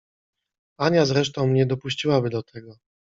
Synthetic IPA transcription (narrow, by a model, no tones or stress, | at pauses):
aɲʲjazɾɛʂt̪ɔ̃w̃mɲɛd̪ɔpuɕt͡ɕiwabɘd̪ɔt̪ʰɛɡɔ